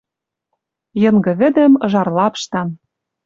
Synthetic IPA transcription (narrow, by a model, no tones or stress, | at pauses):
jɤ̆ŋɡɤ̆βɘ̆d̪ɘ̆mɤ̆ʒɑrlɑpʃt̪ɑn